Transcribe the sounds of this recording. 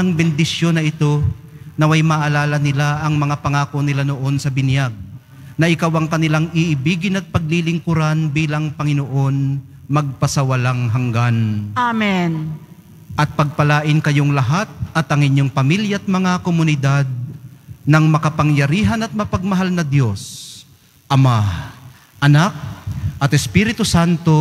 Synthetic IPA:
ɐŋbɪnd̪ɪsjo̞nɐʔɪt̪o̞ | nɐmajmɐʔɐlaːlɐnɪlaʔɐŋmɐŋapɐŋaːkonɪlanoʔo̞nsɐbɪnjaɡ̚ | nɐʔɪkawɐŋkɐnɪlaŋʔɪʔɪbiːɡɪnɐt̪̚pɐɡ̚lilɪŋkʊɾanbiːlɐŋpɐŋɪnoʔo̞n | mɐɡ̚pɐsɐwɐlaŋɦɐŋɡanamɛn | ʔɐt̪̚pɐɡ̚pɐlaːʔɪnkɐjoŋlɐɦat̪̚ʔɐt̪ɐŋɪɲːo̞ŋpɐmiljɐʔɐt̪̚mɐŋakomʊnɪd̪ad̪̚nɐŋmɐkɐpɐŋjɐɾiːɦɐnɐt̪̚mɐpɐɡ̚mɐɦalnɐd̪jo̞s | ʔɐma | ʔɐnak̚ʔɐt̪ɛspiɾɪt̪ʊsant̪o̞

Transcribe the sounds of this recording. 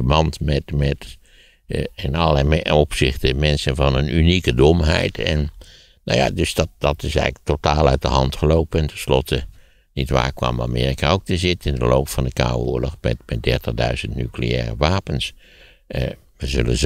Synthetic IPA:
əmɑntmɛtmɛt | ɪnɑlˠlɛopsɪxtəmɛnsənvɑnənynikədomɦɛ̰jtʰɛ̰nː | a̰wja̰døsdɑdɑtɪsɛ̰ɣtotaːlˠœɥt̚dəɦɑntχəloːpənɛntɛnslɔtʰə | nitʋa̰ːrkʋɑ̰ma̰meːrikaowk̚təzɪtɪndəloːptfɑndəka̰woːəlɔxmɛ̰tmɛt̚dɛɹtəɣdœ̰ɥzəntny̰klḛɛːrə̰ʋaːpəns | ʋəzølə̰z

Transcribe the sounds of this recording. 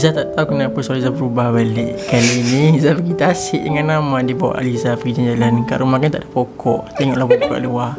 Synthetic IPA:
zat̪aʔt̪aukənapasalizabəɾubahbaleʔkaliːnizabəɡit̪asɪʔdəŋanːamadibawa̰ʔa̰lizafəɡid͡ʒand͡ʒalankaʔɾumahkant̪aʔdə̥pokʰɔʔt̪eŋɔʔlahbəpuka̰ʔluah

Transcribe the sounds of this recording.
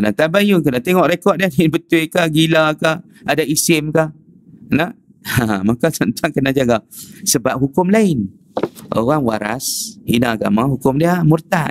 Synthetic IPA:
kənat̪abajukənat̪eŋɔʔɾekɔʔ̚diadaɪnbət̪uɪkaɡilaka | adaisɪmka | nəh | amakat̪ənt̪ʰaŋkənad͡ʒaɡasəbap̚ɦukʊmlaɪn | ʔo̰ɣaŋwa̰ɾa̰shinaaɡa̰maɦukʊmdiamurt̪a

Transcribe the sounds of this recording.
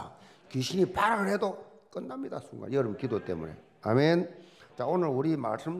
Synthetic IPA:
keɕʰinipaɾaɡɯɭhedo | k͈ɯnːamɲida̰suŋɡa̰jʌɾɯbkidot͈e̞̰mṵne̞̰ | a̰ment͡ɕaonɯɭuɾima̰ɭs͈ɯm

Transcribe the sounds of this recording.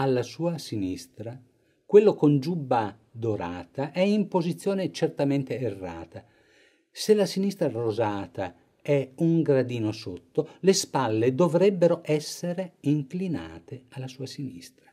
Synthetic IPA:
alːasuːasinist̪ɾa | kwelːokond͡ʒubːa | d̪oɾa̰ːt̪aʔɛimpozit̪sːjoːnet͡ʃert̪ament̪eːrːa̰ːt̪a | selːasinist̪ɾarozaːt̪a̰ | ɛuŋɡɾad̪iːnosot̪ːolespalːed̪ovɾɛbːeɾoʔɛsːeɾeiŋklina̰ːt̪ealːasuːasinḭst̪ɾa

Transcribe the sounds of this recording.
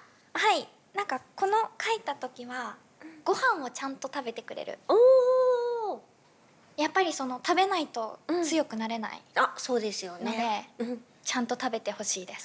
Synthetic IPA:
hai | nãŋkako̞no̞kʰait̪at̪o̞kʲiβa | ɡ̥o̞hãɰ̃o̞t͡ɕãnt̪o̞t̪abe̞t̪e̞kɯ̟ɾe̞̰ɾɯ̟̰oː | japːaɾʲiso̞no̞t̪abe̞nait̪o̞t͡sɨjo̞kɯ̟naɾe̞na̰ḭaso̞ːd̪e̞sɨjo̞nno̞d̪e̞ | t͡ɕãnt̪o̞t̪abe̞t̪e̞ho̞ɕiːd̪e̞sɨ̥

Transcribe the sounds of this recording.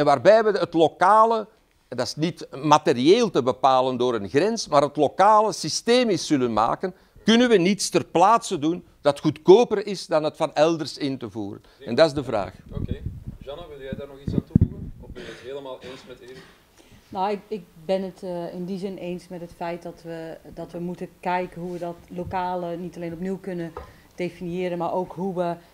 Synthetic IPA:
ɛnʋaːrbɛjʋəɦətlokaːlə | dɑsnitmaterieːlˠtəbəpaːləndoːɾənɣrɛnsmaːɾɦətlokaːləsisteːmɪsːʏlənma̰ːkən | kʏnənʋənitstərplaːtsədun | d̥ɑtxutkoːpərɪsdɑnɦətfɑnɛlˠdərsɪntəvṵːrə̰nɛndɑɪzdəvra̰ːxokeːʒɑnəʋɪlˠdjɛjdaːrnɔxisaːntuvuɣənɔfbɛnətɦeːləmaːlˠeːnsmɛte | nawɪkɪk̚bɪnətɪndizɪneːnsmɛtɦətfɛjt̚dɔtʋədɔtʋəmutəkɛjkəɦuʋədɔtlokaːlənitaleːnɔpniwkɵnə | d̥efinjɪːɾənmaːɾʔowkɦuʋə

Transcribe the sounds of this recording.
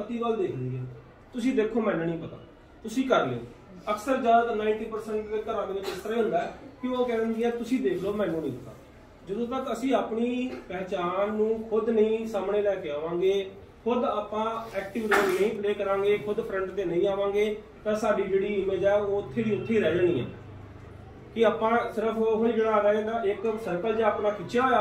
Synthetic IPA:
pət̪iːɡəld̪eːkʰnd̪iɛ̃ː | t̪ʊsĩːd̪eːkʰoːmɛ̃ːnũːnĩːpət̪a̰ː | t̪ʊsĩːkəɾlḛ̃ːnː | əksəɾd͡ʒaːd̪ək̪nãːɪɳʈiːpəɾsɛɳʈd̪eːkəɾãːdeːnẽːkɪst̪ɾaiːɦʊ̃nd̪aːɛkɪoːkɛːɾənd̪iːɛ̃ːt̪ʊsĩːd̪eːkʰloːmɛ̃ːnũːnə̃ːət̪a̰ː | d͡ʒəd̪õːt̪əkəsĩːaːpɳiːpɛːt͡ʃaːnːũːkʰʊd̪nəĩːsaːmɳeːlɛːkeːaːʋãːŋɡeː | kʰʊd̪aːpːãːɛːkʈɪʋɪʈiʈinəĩːpleːkəɾãːŋɡeːkʰʊd̪pʰɾəɳʈt̪eːnəĩːaːʋãːŋɡeː | t̪ɛ̃ːsaːɖiːd͡ʒeːɽiːɪmeːd̪ɛːoːʊt̪ʰːeːd̪iːʊt̪ʰːeːɾɛːd͡ʒəːniːɛ̰̃ː | kɪaːpãːsɪɾəpʰːɦʊĩːd͡ʒeːɽaːɾɛ̃ːd̪aːʔɪksəɾkəːd͡ʒaːaːpnaːkʰɪt͡ʃjaːjaː

